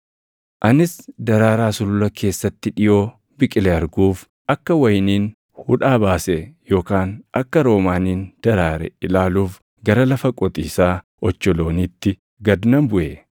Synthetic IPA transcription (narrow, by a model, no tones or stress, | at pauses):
ʔɐnɪsd̪ɐɾaːɾaːsʊlʊlɐkʰe̞ːsːɐt̪ːɪᶑɪjo̞ː | bɪkʼɪlɛɐɾɡuːf | ʔɐkːɐwɐjniːn | hʊᶑaːbaːsɛjo̞ːkaːnʔɐkːɐɾo̞ːmaːniːnd̪̥ɐɾaːɾɛ̰ɪlaːluːf | ɡɐɾɐlɐfɐkʼɔt̪ʼiːsaː | ɔt͡ʃːɔlo̞ːnit̪ːɪ | ɡɐd̪nɐmbʊʔe